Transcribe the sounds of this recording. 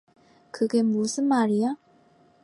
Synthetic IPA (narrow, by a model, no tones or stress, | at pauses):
kɯɡe̞musʰɯnmaɾija